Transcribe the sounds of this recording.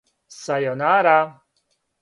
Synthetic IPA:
sajɔnaːɾa

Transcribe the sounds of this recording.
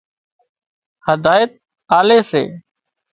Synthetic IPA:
həd̪ʱaːjət̪̚ | aːleːsḛː

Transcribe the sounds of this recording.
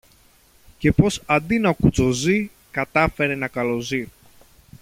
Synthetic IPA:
ce̞po̞sɐnd̪inɐkut͡so̞zi | kɐt̪ɐfe̞ɾe̞nɐkɐlo̞zi

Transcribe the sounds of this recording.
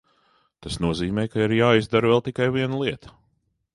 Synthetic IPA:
t̪asnuɔziːmɛːjkaiɾjaːizd̪aɾvɛlˠt̪ikajviɛnlˠiɛt̪ə̥

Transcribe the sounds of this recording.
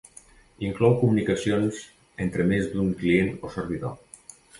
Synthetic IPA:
iŋklɔwkumunikasionz | ent̪ɾemezd̪uŋklienosəɾβiðo̰

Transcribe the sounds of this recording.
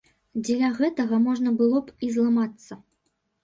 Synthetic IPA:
d͡zʲɛlʲaɣɛt̪ɐɣɐmɔʐnɐbɨlˠɔpizlˠamat̪sːɐ

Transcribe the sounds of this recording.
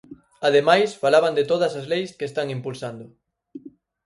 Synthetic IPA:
að̞emajsfalaβand̪et̪oð̞ɐsazlejskest̪aŋimpulsand̪ʊ

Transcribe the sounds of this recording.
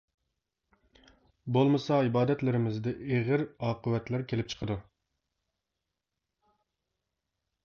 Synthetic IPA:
bolˠmɨsɑibɑːd̪ɛt̪lɪɾɪmɪzd̪ɪʔeʁɪɾɑːqəwɛt̪læɾkʲʰelɪp̚t͡ʃʰə̥qʰəd̪u

